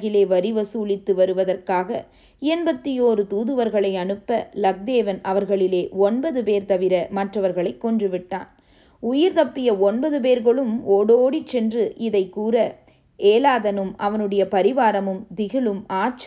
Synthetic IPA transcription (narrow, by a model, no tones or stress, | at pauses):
ɣɪleːʋɐɾɪʋɐsuːlɪt̪ːɯʋɐɾɯʋɐðɐrkaːɣɐ̰ | ɛnbɐt̪ːɪjoːɾɯt̪uːðɯʋɐɾɣɐɭɐɪɐnɯpːɐlɐk̚d̪eːʋɐnɐʋɐɾɣɐɭɪleːɔnbɐðɯpeːɾt̪ɐʋɪɾɐmɐʈrɐʋɐɾɣɐɭɐɪkːɔndrɯʋɪʈːa̰ːn | ʊjɪɾt̪ɐpːɪjɐɔnbɐðɯp̬eːɾɣɐɭɯmoːɽoːɽit͡ʃːɛndrɯʔɪðɐɪkːuːɾɐ | eːlaːðɐnɯmʔɐʋɐnɯɽɐjɐpɐɾɪʋaːɾɐmɯmd̪ɪɣɪɭɯmaːt͡ʃ